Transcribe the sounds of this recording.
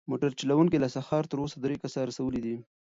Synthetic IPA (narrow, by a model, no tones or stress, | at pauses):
moʈaɾt͡ʃilawuŋkilasaxɑɾt̪əɾosad̪ɾekasɑɾasawəlid̪i